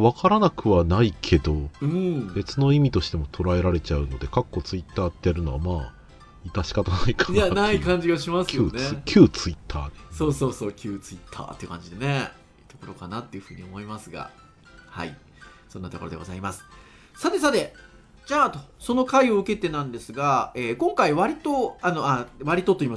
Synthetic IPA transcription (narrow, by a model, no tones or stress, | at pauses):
βakaɾanakɯ̟βanaikʰe̞d̪o̞ɯ̟̃be̞t͡sɨno̞imʲit̪o̞ɕi̥t̪e̞mo̞t̪ʰo̞ɾae̞ɾaɾe̞t͡ɕaɯ̟no̞d̪e̞kakːo̞t͡sɨit̪ːaːt̪ːeaɾɯ̟no̞βamaː | it̪aɕi̥kat̪anaikḁjanaikãɲ̟d͡ʑiɡaɕimaskʰʲɨjɨːnekʲʰɨːt͡sɨit̪ʰːa̰ːd̪e̥so̞ːso̞ːso̞ːkʲʰɨːt͡sɨit̪ʰːa̰ːt̪ːeɯkãɲ̟d͡ʑid̪e̞ne̞ | t̪o̞ko̞ɾo̞kanat̪ːe̞iɯ̟ɸɯ̟ːɲ̟iomo̞imasɨɡa̰ | ha̰ḭ | sõ̞nːat̪o̞koɾd̪eɡo̞̰zaimasɨ̥ | sat̪e̞sat̪e̞ | d͡ʑaːt̪oso̞no̞kaio̞ɯ̟ke̞t̪e̞nãnd̪e̞sɨɡaeːkõ̞ŋkaiβaɾʲit̪o̞ano̞aβaɾʲit̪o̞t̪o̞iːma